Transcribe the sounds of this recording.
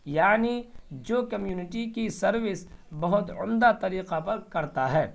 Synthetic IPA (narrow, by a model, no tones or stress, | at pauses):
jaːnid͡ʒoːkɐmjuːnɪʈikisɐɾwɪsbɐɦʊt̪ʊmd̪at̪ɐɾiːqapɐɾkɐɾt̪aɦɛː